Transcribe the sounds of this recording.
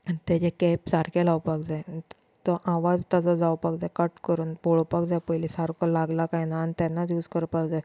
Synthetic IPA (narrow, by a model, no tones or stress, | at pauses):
t̪ɛd͡ʑekɛpsaɾkalawpakd͡zaj | t̪ɔʔaʋad͡zt̪ad͡zɔd͡zawpakd͡zakəʈkəɾuːnpoɭopakd͡zajpəjlisaɾkɔlaɡlakajnaːnt̪ɛnːad̪juːskəɾpakd͡za